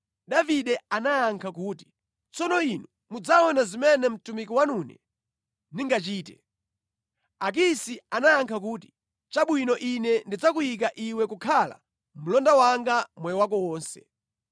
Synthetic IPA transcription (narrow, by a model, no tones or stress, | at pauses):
ɗaviɗɛanaːŋkʰakuːti̥ | t͡sɔnɔinu | mud͡zawɔnazimɛnɛm̩tumikiwanunɛ̰ | niŋɡat͡ʃiːtɛ | ak̬isianaːŋkʰak̬uːti̥ | t͡ʃaɓwinɔʔinɛndid͡zakujik̬aʔiwɛkukʰala̰ | m̩lɔndawaŋɡamwɛjɔwak̬ɔwɔːnsɛ̰